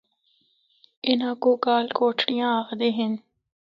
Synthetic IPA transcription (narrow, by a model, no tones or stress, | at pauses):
ɪnãːkuːkaːlkoːʈʰɽijãːaɣd̪eɦɪn